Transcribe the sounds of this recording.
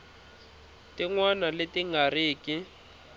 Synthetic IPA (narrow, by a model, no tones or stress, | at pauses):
tiŋwanaletiŋariːki